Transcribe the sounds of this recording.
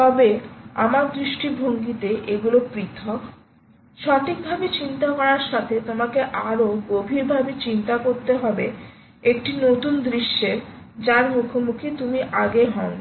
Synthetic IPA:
t̪ɔbea̰maɾd̪ɾiʃʈibʱoŋɡit̪eʔeɡulopɾit̪ʰɔk | ʃɔʈʰik̚bʱabet͡ɕint̪akɔɾaɾʃat̪ʰet̪omakeʔaɾoɡobʱiɾbʱabet͡ɕint̪akoɾt̪eɦɔbe | ekʈinot̪und̪ɾiʃːe | d͡ʑaɾmukʰomukʰit̪umiʔaɡeɦɔn

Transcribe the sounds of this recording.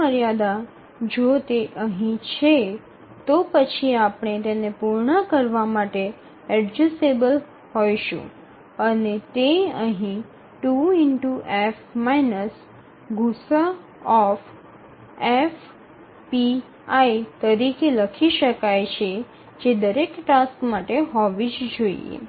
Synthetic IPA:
əɾjad̪a | d͡ʒot̪eʔəɦĩt͡ʃʰe | t̪opət͡ʃʰiapɳ̃et̪enepuɾɳəkəɾʋamaʈe | ɛɖd͡ʒusebəl | ɦojʃṵ̃ | ənet̪eəɦĩ | ʈuɪɳʈuʔefmainəs | ɡusa | ɔf | ef | pi | ait̪əɾikeləkʰiʃəkajt͡ʃʰe | d͡ʒed̪əɾekʈaskmaʈeɦɔʋid͡ʒd͡ʒoḭḛ

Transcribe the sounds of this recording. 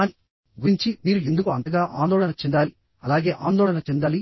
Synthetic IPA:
n | ɡuɾiɲt͡ʃimiːɾuend̪ukuɐnd̪ɐɡaːʔa̰ːnd̪oːɭɐnɐt͡ʃɛnd̪aːli | ɐlaːɡeːʔaːnd̪oːɭɐnɐt͡ʃɛnd̪aːli

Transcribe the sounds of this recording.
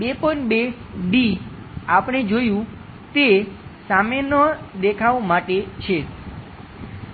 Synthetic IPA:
bepəɳbeɖi | apɽ̃ed͡ʒojũ | t̪esamenəd̪ekʰaʋomaʈet͡ʃʰe

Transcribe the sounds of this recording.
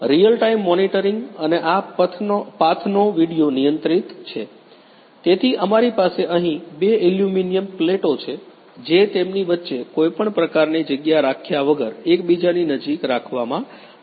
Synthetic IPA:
ɾijəlʈaimːɔniʈəɾiŋɡəneʔat̪ʰpat̪ʰnoʋiɽijonijənt̪ɾit̪t͡ʃʰe | t̪et̪ʰiʔəmaɾipaseʔəɦĩbeiljuminijəmpleʈot͡ʃʰe | d͡ʒet̪emniʋətːʃekojpəɳpɾəkaɾnid͡ʒəɡjaɾakʰjaʋəɡəɾekbid͡ʒaninəd͡ʒikɾakʰʋamã

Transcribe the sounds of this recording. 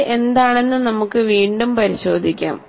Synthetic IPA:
ʔe̞nd̪aːɳe̞nːɨnɐmukːɨʋiːɳɖumpɐɾiɕo̞ːd̪ʱikʲːa̰ːm

